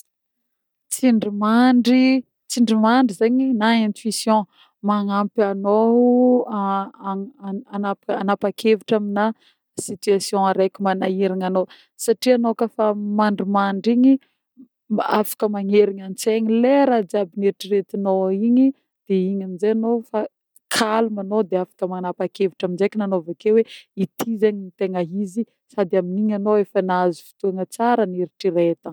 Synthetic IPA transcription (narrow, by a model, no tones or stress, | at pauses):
t͡siɳɖ͡ʐimaɳɖ͡ʐi | t͡siɳɖ͡ʐimaɳɖ͡ʐizeɲinaẽnt̪wisjɔ̃ | maŋampano | anapanapakʰeviʈ͡ʂamina | sit̪yasjɔ̃aɾekʲimanaiɾiŋano | saʈ͡ʂianokafamaɳɖ͡ʐimaɳɖ͡ʐiɲi | a̰fḁkəmaɲeɾiɲant͡seɲileɾad͡zabineʈ͡ʂiret̪inoiɲi | d̪̥eiɲamizejanofa | kʰalumanod̪eafḁkəmanapakeviʈ͡ʂaminzejkʲinanovakeweit̪ʰizaɲinit̪eŋəɦizi | sad̪iaminiɲanoefənazifi̥t̪uaŋət͡saɾəniɾiʈ͡ʂiɾet̪ə